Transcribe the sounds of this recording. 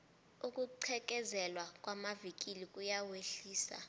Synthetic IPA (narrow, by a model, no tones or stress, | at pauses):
uk̬ʼuǀʰɛk̬ʼɛzɛlwakʼwamavik̬ʼilikʼujaweɬiːsa̰